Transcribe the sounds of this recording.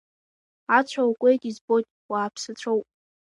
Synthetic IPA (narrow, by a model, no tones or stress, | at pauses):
at͡ɕʷʰawkʷʼejtʼizbojtʼwaːpʰsɨt͡ɕʷʰowpʼ